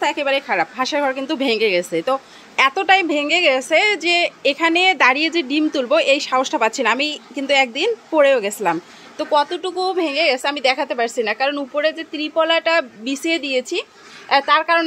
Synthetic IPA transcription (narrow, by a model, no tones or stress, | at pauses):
t̪ʰaɛkebaɾejkʰaɾap̚bʱaʃaɾɡʱɔɾkint̪̬ubʱeŋɡeɡet͡ɕʰet̪o | ɛt̪oʈajbʱeŋɡeɡet͡ɕʰed͡ʑeekʰaned̪aɾijed͡ʑeɖimt̪ulboʔejʃaɦoʃʈapat̪ːɕʰinaamikint̪uɛk̚d̪inpoɾeoɡet͡ɕʰlam | t̪okɔt̪oʈukubʱeŋɡeɡet͡ɕʰeamid̪ɛkʰat̪epaɾt͡ɕʰinakaɾonupoɾed͡ʑet̪ɾipɔlaʈabisied̪iet͡ɕʰi | t̪aɾkaɾon